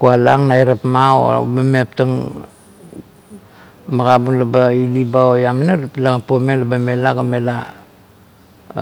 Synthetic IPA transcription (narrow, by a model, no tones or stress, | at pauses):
kualaŋnaiɾapmao̰bamep̚taŋ | maɡabunlabailibaojaminalplaŋapomelabamelaɡamela